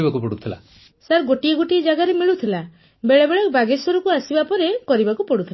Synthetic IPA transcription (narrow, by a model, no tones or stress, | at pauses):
bakupɔɽut̪ʰila̰ | saɾɡoʈieɡoʈied͡ʒaɡaɾemiɭut̪ʰila | beɭebeɭɔkbaɡesɔɾɔkuasibapɔɾekɔɾibakupɔɽut̪ʰil